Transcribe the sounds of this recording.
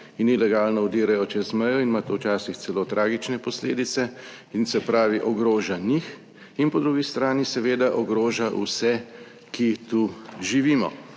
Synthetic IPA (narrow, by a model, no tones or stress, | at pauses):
inilɛɡaːlnɔud̪iːɾajɔt͡ʃɛzmɛjɔinmat̪owt͡ʃaːsixsɛloːt̪ɾʔaːɡit͡ʃnɛpɔslḛːd̪it̪sɛ | insɛpɾaːʋiʔɔɡɾoːʒanix | inpɔd̪ɾuːɡist̪ɾaːnisɛʋeːd̪aʔɔɡɾoːʒaʔṵsɛ | kit̪uʒiʋiːmɔ̰